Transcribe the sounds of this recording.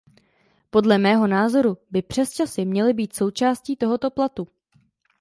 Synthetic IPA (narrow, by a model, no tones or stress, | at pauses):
po̞dlɛmɛːɦo̞naːzo̞ɾubɪpr̝̥ɛst͡ʃasɪmɲɛlɪbiːt̪so̞wt͡ʃaːsciːt̪o̞ɦo̞t̪o̞plat̪u